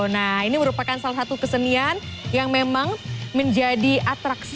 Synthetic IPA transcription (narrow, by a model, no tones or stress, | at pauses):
nahiniməɾupakansalasat̪ukəsənianjaŋmemaŋməɲd͡ʒadiʔat̪ɾaks